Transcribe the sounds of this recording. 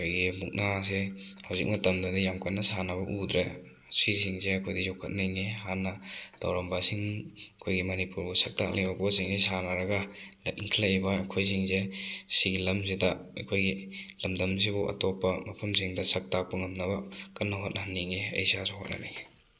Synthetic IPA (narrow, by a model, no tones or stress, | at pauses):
kʰojɡimuk̚nasehawzḭk̚mɐtɐmdɐdijamkatnɐsanɐbɐʔudɾe | sis̬iŋzeɐkʰojdizokʰɐt̚nɐjniɦanːɐd̥ɐ̰wɾɐmbasiŋɐkʰojɡimɐnipuɾbusɐk̚ta̰k̚lejbakosiŋnisanɐɾɐɡɐlḛtiŋkʰilabɐːkʰojs̬iŋzesiɡilɐmzidɐɐ̰kʰojɡilɐmdɐmzibuʔɐ̰tɔpːɐmɐpʰɐmsiŋdɐsɐk̚tapɯŋɐmnɐbɐkɐnːɐɦat̚nahnːiŋiɐ̰jsazokʰɐ̰t̚nɐ̰naj